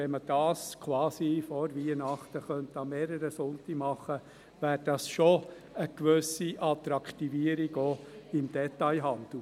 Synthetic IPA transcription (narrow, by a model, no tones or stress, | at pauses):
ɛməd̥ɑːskʰwɑːsifɔɾviənɑχt̪əχœntɑmeːɾəɾəsʊntimɑχə | væːɾd̥ɑsʃo | əkʋʏsiʔɑt̪ɾɑkʰt̪iviːəɾiɡoɪmd̥ɛtaɪɦɑnd̥̪l̩